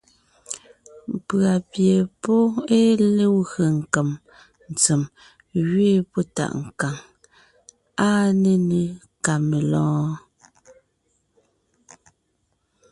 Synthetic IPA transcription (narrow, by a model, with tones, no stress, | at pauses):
m˨pɰa˨pje˨pɔ˦e˦le˦wɣə˨ŋ̩˨kə˨m | n̩˨t͡se˨m | ɣɥeː˦pɔ˦ta̰˨ʔŋ̩˨ka˨ŋ | a˦ne˨ne˨ | ka˨me˨lɔ̃ː˦